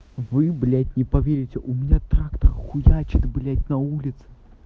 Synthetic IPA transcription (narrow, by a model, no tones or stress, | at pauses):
vɨblʲatʲnʲɛpavʲeɾʲit͡sʲɛʔumʲinʲat̪ɾakt̪ɐrxujat͡ʃʲid̪blʲatʲnɐulʲit̪sɨ̥